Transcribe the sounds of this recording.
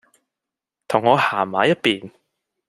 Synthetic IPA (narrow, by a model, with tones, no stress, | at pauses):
t̪ʰʊ˨˩ŋːɔː˨˧haː˨˩maː˨˥jɐ˥t̚piː˨˩n